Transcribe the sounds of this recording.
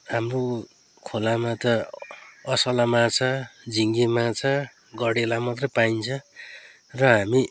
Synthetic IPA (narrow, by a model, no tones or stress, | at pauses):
ɦamro | kʰolamat̪ʌ | ʌsʌlamat͡sʰʌd͡ziŋɡemat͡sʰʌ | ɡʌɽelamʌt̪rʌjpajnt͡sʰʌ | rʌɦami